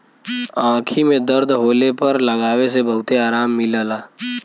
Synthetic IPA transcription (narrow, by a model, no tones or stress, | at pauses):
ãːkʰimẽd̪əɾd̪ʱɦoːlepɐɾlɐɡaːwesebɐɦʊt̪eaːɾaːmːɪlaːlaː